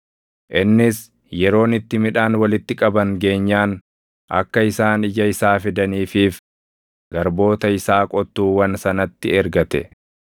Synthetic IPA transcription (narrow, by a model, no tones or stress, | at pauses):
ʔɪnːɪs | jɛɾo̞ːnɪt̪ːɪmɪᶑaːnwɐlɪt̪ːɪkʼɐbɐŋɡe̞ːɲːaːn | ʔɐ̰kːɐɪsaːnɪd͡ʒɐɪsaːfɪd̪ɐniːfiːf | ɡ̥ɐɾbo̞ːt̪ɐɪsaːkʼɔt̪ːuːwɐnsɐnɐt̪ːɪɛɾɡɐt̪ɛ̰